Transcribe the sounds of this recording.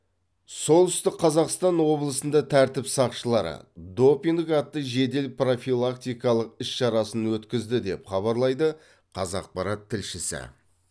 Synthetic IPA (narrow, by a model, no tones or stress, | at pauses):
so̞lˠt̪ʏst̪ɪk̚qʰːɑzɑqst̪ɑnwo̞blˠəsənd̪ɑt̪ʰæɾt̪ɪpsɑqʃəlˠɑɾə̰d̪o̞piŋdɪkɑt̪ːəʒe̞d̪e̞lpro̞fijlˠak̚t̪ijkɑlˠəq̚ɪsʃɑɾɑsənwɵt̪kʲɪzd̪ɪd̪e̞pχɑβɑɾlˠɑjd̪ə | qʰɑzɑ̰q̚pɑɾɑt̪ʰːɪlʃɪsɪ̰